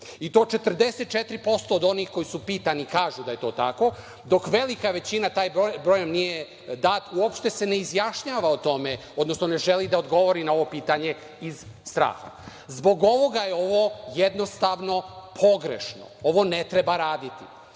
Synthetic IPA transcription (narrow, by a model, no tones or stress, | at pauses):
it̪o̞ːt͡ʃe̞t̪r̩d̪e̞set̪̚t͡ʃet̪ɾipo̞st̪oːd̪o̞nixko̞jisupiːt̪anikaːʒud̪aje̞t̪o̞ːt̪ako̞ | d̪o̞kʋe̞likaʋe̞t͡ɕinat̪aːjbobɾojomnije | d̪aːt̪uopʃt̪e̞se̞ne̞izjaʃɲaːʋaot̪o̞meo̞d̪no̞sno̞ne̞ʒelid̪aod̪ɡo̞ʋo̞ɾinao̞ʋo̞piːt̪aɲe̞ | izst̪ɾa̰ːxa̰ | zbo̞ɡo̞ʋo̞ɡajeo̞ʋo̞jed̪no̞st̪aʋno̞pʰo̞ɡɾḛʃno̰oʋo̞net̪ɾe̞baɾaːd̪it̪ḭ